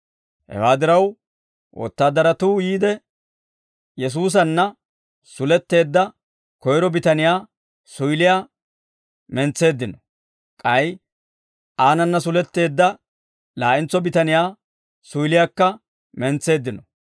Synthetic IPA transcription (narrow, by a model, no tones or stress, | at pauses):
hɛ̰waːd̪ɪɾɐw | wʔɔ̰t̪ːaːd̪ːɐɾɐt̪uːjiːd̪ɛ | jɛs̬uːs̬ɐnːɐ | sʊlɛt̪ːe̞ːd̪ːɐ | kɔjɾɔbɪt̪ɐnɪjaː | sʊjlɪjaː | mɛnt͡sːe̞ːd̪ːɪnɔ | kʼɐj | ʔaːnɐnːɐs̬ʊlɛt̪ːe̞ːd̪ːɐ | laːʔɪnt͡sːɔbɪt̪ɐnɪjaː | sʊjlɪjakːɐ | mɛnt͡sːe̞ːd̪ːɪnɔ